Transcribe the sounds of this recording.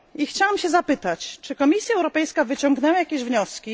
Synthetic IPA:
ixt͡ɕawamɕɛzapɘt̪at͡ɕt͡ʂɘkɔmʲisʲjaɛwɾɔpɛjskavɘt͡ɕɔŋɡnɛwajakʲeʑvɲɔskʲi

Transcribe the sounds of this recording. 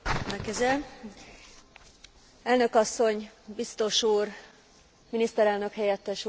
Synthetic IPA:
lɛkɛzɛl | ɛlnø̞kɒsːo̞ɲbist̪o̞ʃuːr | minist̪ɛɾɛlnø̞khɛjɛt̪ːɛʃu

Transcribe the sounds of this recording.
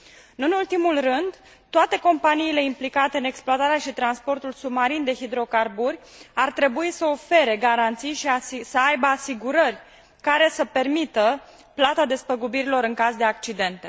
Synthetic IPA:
ɨnult̪imulrɨnd̪ | t̪oat̪e̞ko̞mpaniːle̞implikat̪e̞ɨne̞ksploat̪aɾeaʃit̪ɾanspo̞rt̪ulsubmaɾind̪e̞ɦid̪ɾo̞karburʲart̪ɾe̞buisəo̞fe̞ɾe̞ɡaɾant̪sijʃiasəajbəasiɡuɾərʲ | kaɾe̞səpe̞rmit̪ə | plat̪ad̪e̞spəɡubiɾilo̞ɾɨŋkazd̪e̞ak̚t͡ʃid̪e̞nt̪e̞

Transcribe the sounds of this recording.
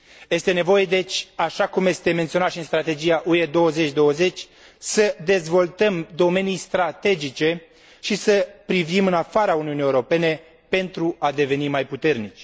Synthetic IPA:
je̞st̪e̞ne̞vo̞je̞d̪e̞t͡ʃʲaʃakumje̞st̪e̞me̞nt̪sio̞nat̪ʃiɨnst̪ɾat̪e̞d͡ʒijaʔued̪o̞wəze̞t͡ʃʲd̪o̞wəze̞t͡ʃʲ | səd̪e̞zvo̞lt̪əmd̪o̞me̞nijst̪ɾat̪e̞d͡ʒit͡ʃe̞ | ʃisəpɾivimɨnafaɾauniunijeuɾo̞pe̞ne̞ | pe̞nt̪ɾuad̪e̞ve̞nimajput̪e̞rnit͡ʃʲ

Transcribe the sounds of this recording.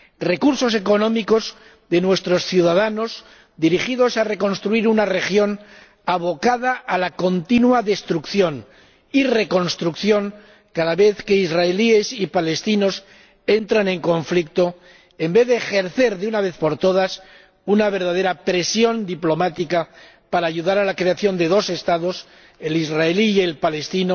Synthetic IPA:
re̞kuɾso̞s̬e̞ko̞nõ̞miko̞z | ðe̞nwe̞st̪ɾo̞sθjuðaðano̞z | d̪iɾixiðo̞sare̞ko̞nst̪ɾuiɾunare̞xjo̞n | aβ̞o̞kaðaʔːlako̞nt̪inwaðe̞st̪ɾukθjo̞n | ire̞ko̞nst̪ɾukθjo̞ŋ | kaðaβe̞θke̞izraelie̞sipale̞st̪ino̞s | e̞nt̪ɾanẽ̞ŋko̞ɱflik̚t̪o̞ | e̞mbe̞ðeːxe̞ɾθe̞ɾðeunaβe̞θpo̞ɾt̪o̞ð̞as | unaβ̞e̞ɾðaðe̞ɾapɾe̞sjo̞nd̪iplo̞mat̪ika | paɾaːʝuðaɾalakɾe̞aθjo̞nd̪e̞ðo̞se̞st̪aðo̞s | e̞lizraeliːe̞lpale̞st̪ino

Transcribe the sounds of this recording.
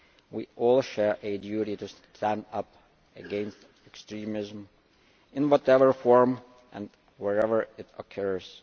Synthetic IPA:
wiʔɔlˠʃɛɹʔɨdjʉɾiɾɨstʰæ̃ndʌp | ɨɡɛ̃nst | ɛkstɹ̥ĩmɪzm̩ | ɨ̃nwʌɾɛvə˞fɔɹm | ʔɨ̰̃n | wɛɹɛvə˞ɪɾə̰kʰɜ˞z̥

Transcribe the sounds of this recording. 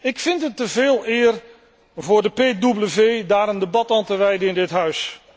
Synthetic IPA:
ɪkfɪntɦətːəvɪːlˠɪːr | vʊːɹdəpeːdubləvejdaːɾəndəbɑtaːntəʋɛjdəɪndɪtɦœɥs

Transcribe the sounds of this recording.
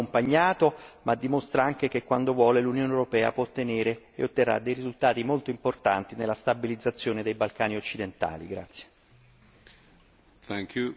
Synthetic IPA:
ompaɲːaːt̪omad̪ːimost̪ɾaaŋk̟ek̟ekːwand̪ovwɔːlelunjoːneewɾopɛːa̰pwɔt̪ːeneːɾḛːot̪ːerːa̰d̪ejɾizult̪aːt̪imolt̪oimport̪a̰nt̪inelːast̪abilid̪zat̪sːjoːned̪ejbalkaːniot͡ʃːid̪ent̪a̰ːlḭɡɾa̰t̪sje̥ | t̪ɛŋkju

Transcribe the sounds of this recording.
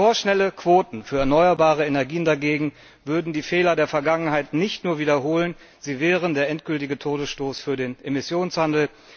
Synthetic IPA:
foːɐʃnɛləkv̥oːtn̩fyːɐɛɐnɔʏɐbaːʁ̞əenɛɐɡiːəndaɡeːɡŋ̩ | vʏɐdn̩diːfɛːlɐdeːɐfɛɐɡaŋənɦaɪtnɪçtnuːɐviːdɐɦoːlən | ziːvɛːʁəndeːɐʔɛntɡ̥ʏltɪɡətʰoːdəsʃtoːsfyːɐdeːnʔemɪsjoːnshandl̩

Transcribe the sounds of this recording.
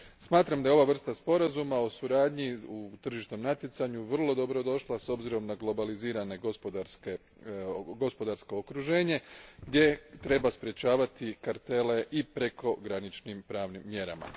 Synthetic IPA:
smaːt̪ɾamd̪ajo̞ʋaʋr̩st̪aspo̞ɾazumao̞suɾaːd̪ɲiut̪r̩ʒiʃt̪no̞mnat̪je̞t̪saɲuʋr̩lˠo̞d̪o̞bɾo̞d̪o̞ʃlˠaso̞bziɾo̞mnaɡlˠo̞baliziːɾane̞ɡospod̪aɾske | ɡo̞spo̞d̪aɾsko̞okɾuʒe̞ːɲe̞ɡd̪je̞t̪ɾe̞baspɾje̞t͡ɕaːʋat̪ikaɾt̪e̞le̞ʔipɾe̞ko̞ɡɾanit͡ʃnimpɾaːʋnimːje̞ɾa̰ma̰

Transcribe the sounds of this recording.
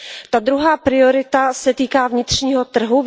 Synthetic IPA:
t̪ad̪ɾuɦaːpɾɪo̞ɾɪt̪asɛt̪iːkaːvɲɪt̪r̥ɲiːɦo̞t̪r̩ɦuv

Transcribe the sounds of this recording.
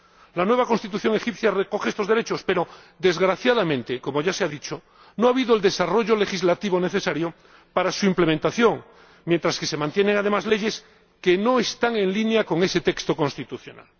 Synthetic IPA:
lanwe̞β̞ako̞nst̪it̪uθjo̞ŋe̞xipθjareko̞χeest̪o̞zðeɾe̞t͡ʃo̞spe̞ɾo̞ | d̪e̞zɣɾaθjaðamẽnt̪eko̞mo̞ʝaseaðit͡ʃo | noaβiðoeld̪e̞saro̞ʝole̞xizlat̪iβone̞θe̞saɾjo | paɾasuimple̞mẽnt̪aθjo̞ŋ | mje̞nt̪ɾaske̞se̞mãnt̪je̞neŋað̞e̞mazle̞ʝe̞s | ke̞no̞est̪aŋe̞nlinjako̞ŋe̞se̞t̪e̞kst̪o̞ko̞nst̪it̪uθjo̞̰na̰l

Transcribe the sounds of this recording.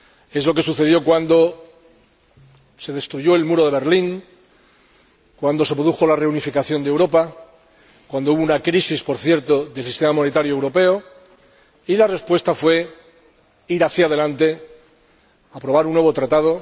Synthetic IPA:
e̞zlo̞ke̞suθe̞ðjo̞kwand̪o̞ | se̞ðe̞st̪ɾuʝo̞e̞lmuɾo̞ð̞e̞β̞e̞ɾliŋ | kwand̪o̞se̞pɾoðuxo̞lare̞unifikaθjo̞nd̪ewɾo̞pa | kwand̪o̞uβounakɾisispo̞ɾθje̞ɾt̪oðe̞lsist̪e̞mamo̞ne̞t̪aɾjoewɾo̞pe̞o | ilare̞spwe̞st̪afwe̞ | iɾaθjað̞e̞lant̪e̞ | apɾo̞β̞aɾunːwe̞β̞o̞t̪ɾat̪að̞o

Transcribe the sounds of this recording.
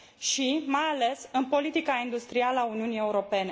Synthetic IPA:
ʃimajale̞sɨnpo̞lit̪ikaind̪ust̪ɾialəauniunije̞uɾo̞pe̞ne̞

